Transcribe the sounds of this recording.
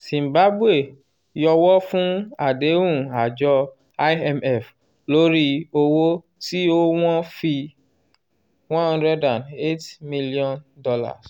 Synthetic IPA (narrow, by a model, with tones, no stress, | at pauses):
sĩ˨mba˨˦bwe˦˨ | jɔ˧wɔ˦fũ˦a˨de˨˦ũ˦˨a˨d͡ʒɔ˧ | a˦jɛ˧mɛ˦˨f | lo˦ɾi˦o˧wo˦ | ti˦o˦w̃ɔ̃˦fi˧ | wɔ̃˦hɔ̃˦ndɾɛ˦dã˨ne˦tmĩ˦li˦ɔ̃˦ndɔ˧la̰˦˨s